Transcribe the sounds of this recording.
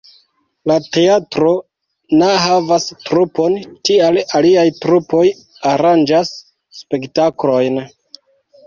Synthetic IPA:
late̞atɾo̞ | neɦavastɾupo̞ntialaliajtɾupo̞j | aɾand͡ʒasː | pe̞ktaklo̞jn

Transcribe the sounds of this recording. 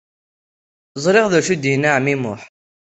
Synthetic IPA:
zˤɾɪʁðæʃud̪jnaʕmimʊħ

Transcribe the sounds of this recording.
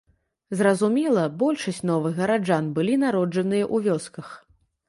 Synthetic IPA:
zrɐzumʲɛlˠɐbɔlʲʂɐsʲt͡sʲnɔvɨɣɣɐɾad͡ʐanbɨlʲinaɾɔd͡ʐɐnɨjɐʔuvʲɔskɐx

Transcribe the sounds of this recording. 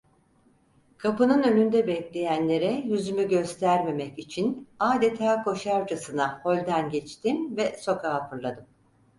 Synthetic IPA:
kʰapɯnɯnø̞nynd̪ɛbɛclʲe̞jænlʲe̞ɾɛjyzymyɟø̞st̪ʰæɾme̞mɛcit͡ʃʰinaːd̪et̪ʰaːkʰo̞ʃaɾd͡ʒasɯnaho̞lʲd̪ænɟɛt͡ʃt̪imvɛso̞kʰaːpʰɯɾlˠad̪ɯm

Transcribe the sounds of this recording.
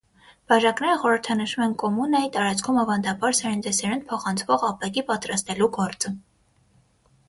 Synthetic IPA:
b̥ɑʒɑknɛɾəχɔɾəɾt̪ʰɑnəʃumɛnkɔmunɑjit̪ɑɾɑt͡sʰkʰumɑvɑnd̪ɑbɑɾsɛɾnd̪ɛsɛɾɛnpʰɔχɑnt͡sʰvɔʁɑpɛkipɑt̪ɾɑst̪ɛluɡɔɾt͡sə

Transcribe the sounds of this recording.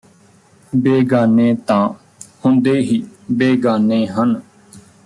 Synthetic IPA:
beːɡaːnẽːt̪ãː | hʊ̃nd̪eːɦiːbeːɡaːnẽːɦən

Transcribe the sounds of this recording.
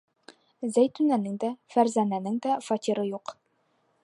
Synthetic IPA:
zæjt̪ʉnænɘŋd̪æfæɾzænænɘŋd̪æfɒt̪ʲiɾɤjuq

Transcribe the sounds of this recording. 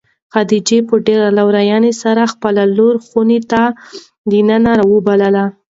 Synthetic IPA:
xad̪id͡ʒepəɖeɾalawɾajɑnesaɾaxpəlaloɾxunet̪a | d̪inənaɾɑwəbaləla

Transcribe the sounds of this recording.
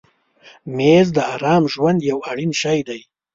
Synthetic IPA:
mezd̪əaɾɑːmʒwand̪jawaɽinʃajd̪aj

